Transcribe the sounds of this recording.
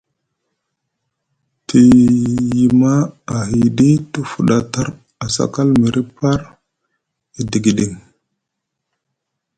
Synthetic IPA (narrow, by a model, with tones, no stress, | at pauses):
tʰi˨ji˨ma˦a˨hi˨ɗi˦tu˦fu˨ɗa˨ta˦ɾ | a˨sa̰˦˨ka˦lmi˨ɾʔi˦pa˦ɾ | i˨di˨ɡi˨ɗi˨ŋ